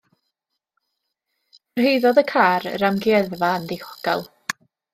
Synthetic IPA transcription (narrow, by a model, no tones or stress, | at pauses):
ərɦejðɔðəkʰaːrramɡjɛðvaəndɪhʰɔ̥ɡ̥a̰lˠ